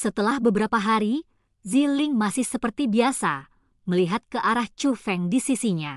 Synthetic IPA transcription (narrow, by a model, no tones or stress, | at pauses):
sət̪əlahbəbəɾapaɦaɾi | zilɪŋmasɪhsəpərt̪ibiasa | məliɦat̪̚kəʔaɾaht͡ʃufɛŋdisisiɲa